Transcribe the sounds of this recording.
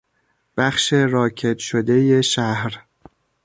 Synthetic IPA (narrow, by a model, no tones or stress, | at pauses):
b̥æχʃe̞ɾɒːcʰe̞d̪ʃod̪e̞je̞ʃæhɾ